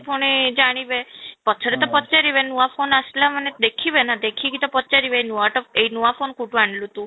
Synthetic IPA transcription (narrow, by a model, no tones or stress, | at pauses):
pʰoɽ̃ed͡ʒaɽ̃iʋepət͡ʃʰəɾet̪ɔpət̪ːt͡ʃaɾiʋenuafonaʃlaməned̪ekʰiʋenad̪ekʰikit̪ɔpət̪ːt͡ʃaɾiʋenuaʈɔpeinuafonkuʈʋaɳɖlũt̪ũ